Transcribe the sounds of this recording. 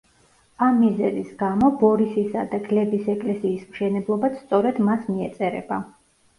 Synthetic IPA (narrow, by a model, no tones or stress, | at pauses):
amːizɛzisɡamɔbɔɾisisad̪aɡlɛbisɛkʼlɛsiːsmʃɛnɛblˠɔbat̪sʰt̪sʼɔɾɛd̪masmiɛt̪sʼɛɾɛ̰ba